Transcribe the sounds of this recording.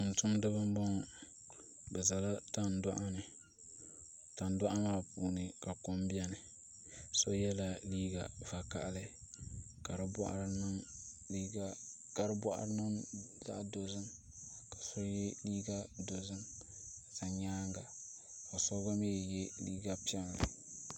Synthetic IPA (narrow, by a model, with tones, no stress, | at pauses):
ɨ˨n̩˨tʊ˦mdɨ˦bɨ˦m˦bɔ˦ŋ˨ | bɛ˨za˨la˦ta˦n˨da˦ʔa˦nɨ˨ | ta˨nda˦ʔa˦maː˦˨puː˨nɨ˨ka˨ko˦mbi˦ɛ˦nɨ˨ | so˦jɛ˦la˨liː˦ɡa̰˨va˨ka̰˨ʔlɨ˦ | ka˨ɾɨ˦bɔ̰˦ʔa̰˨ɾnɨ˦ŋli˦a˦ | ka˨ɾɨ˦bʷɔ˦ʔa̰˦ɾnɨ˦ŋza̰˦ʔdo˨zɨ˦n | kḁ˨so˦jɛ˦liː˦ɡa˦do˨zɨ˦n | ka˨za˨ɲaː˦ŋɡa˨ | ka˨so˦ɡa˦me˦˨jɛ˦liː˦ɡa˦pi˦ɛ˦ŋ˨lɨ̰˨